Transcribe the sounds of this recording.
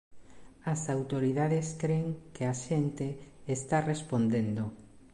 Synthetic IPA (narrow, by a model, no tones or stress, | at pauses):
ɐsawt̪oɾiðaðeskɾeŋkeaʃent̪eːst̪arespond̪end̪o